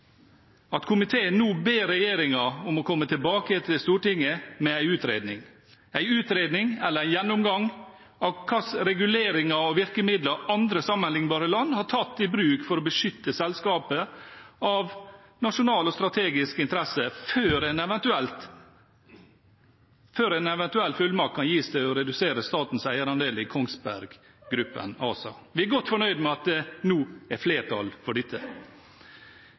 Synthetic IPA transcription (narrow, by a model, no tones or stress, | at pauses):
ɑt̪kʰʊmɪt̪ʰeːənuːbeːɾɛjeːɾɪŋɑʊmɔkʰɔmːət̪ʰɪlbɑːkət̪ʰɪlst̪uːʈɪŋːəmɛæɪʉːt̪ɾḛːd̪nɪ̰ŋ | æɪʉːt̪ɾeːd̪nɪŋɛlːəɾæɪjɛnːʊmɡɑŋ | ɑʋkʰɑsɾɛɡʉleːɾɪŋɑɔʋɪɾkəmɪd̪ləɾɑnd̪ɾəsɑmːənlɪŋbɑːɾəlɑnːhɑʈʰɑt̪ːɪbɾʉːkfɔɾɔbəʂʏt̪ːəsɛlskɑːpəɑʋ | nɑʂʊnɑːlɔst̪ɾɑt̪ʰeːɡɪskɪnt̪əɾɛsəføːɾɛnɛʋɛnt̪ʉɛlt̪ | føːɾænɛʋɛnt̪ʉɛlːfʉlmɑkʰːɑnjiːsd̪æɪɔɾɛd̪ʉseːɾəst̪ɑːt̪n̩sæɪəɾɑnd̪eːləkʰɔŋsbæ̰ɾɡ | ɡɾʉpːə̰nɑːsɑ̰ʋɪæɾɡɔt̪ːfɔɳœʏd̪mɛɑt̪̚d̪ɛnuːæɾfleːʈʰɑ̰lfɔɖɪt̪ʰːə